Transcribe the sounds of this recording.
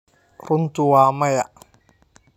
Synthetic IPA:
ɾʊnt̪ʊwaːmɐja̰

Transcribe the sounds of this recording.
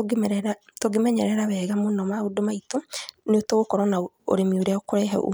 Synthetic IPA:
ɛɾɛɾatoɡemɛɲɛɾɛɾaβɛɣamonɔmaodomaitoneotoɣokɔɾɔna | o̰ɾemioɾɛokoɾɛɦɛ̰ʔo̰

